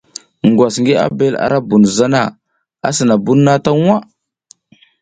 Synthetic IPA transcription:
ŋ˨ɡwa˨sŋɡe˦a̰˦be˦la̰˨ɾa˦bu˨nza˦na˦˨ | a̰˦sə˨na˨bu˦nːa˦ta˦ŋ˦a˦

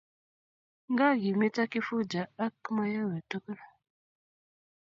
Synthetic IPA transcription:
ŋ˦ɡa˦˨ɡi˨me˦ta˦ki˦fu˦d͡ʒa˨a˦kma˦ja˦we˨to˦kə˦la˨

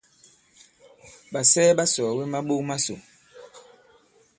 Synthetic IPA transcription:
ɓa˨sɛː˦ɓa˦sɔː˨we˦ma˦ɓo˦ma˦so˨

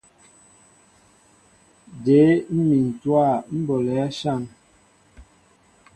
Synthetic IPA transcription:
de˨˦m̩˦mi˨n̩˨twa˦˨m̩˦bɔ˨lɛ˨˦a˦ʃa˦˨n

